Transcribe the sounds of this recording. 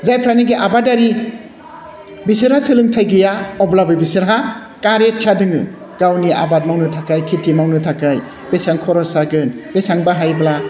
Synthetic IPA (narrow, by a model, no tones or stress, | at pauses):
zajpʰɾaniɡiʔabadaɾi | bisɯɾhasɯlɯŋtʰajɡɯjaɔblabɯjbisɯɾɦa | kaɾet͡ʃʰadɯŋɯ | ɡ̥awniʔa̰bat̚mawnɯtʰakajkʰitʰimawnɯtʰakaj | besaŋkʰɔɾɔsaɡɯnbesaŋbaɦajbla